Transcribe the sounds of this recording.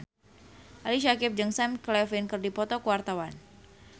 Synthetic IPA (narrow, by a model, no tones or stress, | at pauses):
ʔaliʃakɪp̚d͡ʒəŋsamklɛfinkɨrdipɔt̪ɔkəwart̪awan